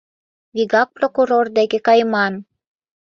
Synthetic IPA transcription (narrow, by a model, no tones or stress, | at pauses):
vʲiɡɑk̚prokuɾord̪æɡekɑjmɑn